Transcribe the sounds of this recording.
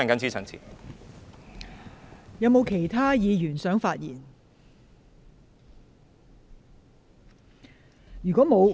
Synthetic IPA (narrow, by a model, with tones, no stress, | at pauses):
a˥nkɐ˨˥nt͡sʰiː˥˩ɐ˨nt͡sʰḭː˨˩ | jɐ˨˧wmo˨˧wkʰe˨˩jt̪ʰaː˥jiː˨˧jyː˨˩nsœː˨˥ŋfaː˧t̚jḭː˨˩n | jyː˨kʷɔː˨˥mo˨˧w